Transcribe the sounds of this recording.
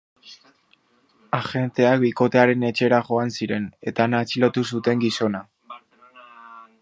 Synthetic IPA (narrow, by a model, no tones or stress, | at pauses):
axe̞nt̪e̞ak̚biko̞t̪e̞aɾe̞ne̞t͡ʃe̞ɾaʝo̞ansiɾe̞ne̞t̪aːnaːt͡silo̞t̪us̬ut̪e̞ŋɡiso̞na